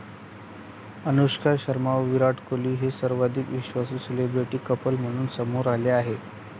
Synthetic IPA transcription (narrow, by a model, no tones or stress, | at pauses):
ənuɕkaɕəɾmaʋʋiɾaʈkoliːɦesəɾʋad̪ʱikʋiɕʋasuːselebɾiʈiːkəpəlm̤əɽ̃uːnsəmuɾaleaɦe